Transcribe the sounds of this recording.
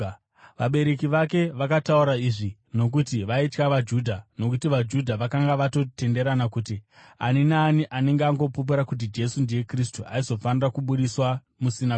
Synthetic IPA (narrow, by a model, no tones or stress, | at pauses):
ʋaɓe̞ɾe̞kiʋake̞ʋakatauɾaiʐino̞k̬utiʋaitkaʋad͡ʒuːdʱano̞kutiʋad͡ʒudʱaʋakaŋɡaʋato̞te̞nde̞ɾanakuːtia̰ninaːniʔane̞ŋɡeaŋɡo̞pup̬uɾakut̬id͡ʒe̞sundeje̞kris̬tuʔa̰izo̞fanirakuɓuɗiswa | musina